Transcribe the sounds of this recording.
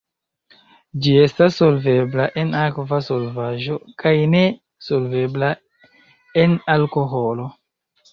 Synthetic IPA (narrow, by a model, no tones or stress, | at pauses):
d͡ʒie̞stasːo̞lve̞blaʔenakvaso̞lvaʒo̞kʰajne̞ | so̞lve̞bla | enalko̞ɦo̞lo̞